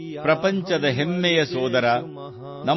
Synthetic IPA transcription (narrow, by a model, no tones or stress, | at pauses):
pɾɐpɐɲt͡ʃɐd̪ɐɦemːɛjɐsɔːd̪ɐɾɐ | nɐ